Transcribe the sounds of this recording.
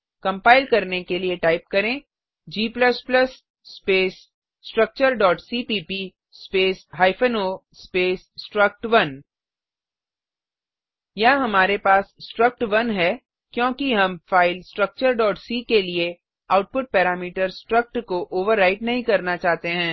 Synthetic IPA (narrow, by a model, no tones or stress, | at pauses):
kɐ̃mpaːɪlkɐɾnekelieʈaːɪp̚kɐɾẽː | d͡ʒiːplɐsplɐsː | peːsː | ʈɾɐk̚t͡ʃəɾɖɔːʈsiːpiːpi | speːsɦaːɪfʰənoːspeːsːʈɾɐk̚ʈʋɐn | jaɦɐmaːɾepaːssʈɾɐk̚ʈʋɐnɦɛː | kjõːkiɦɐmfaːɪlsʈɾɐk̚t͡ʃəɾɖɔːʈsiːkelie | aʊʈ̚pʊʈ̚pɛːɾaːmiːʈəɾsʈɾək̚ʈkoʔoːʋəɾːaːɪʈnɐɦĩkɐɾnat͡ʃaːɦt̪eɦɛ̃ː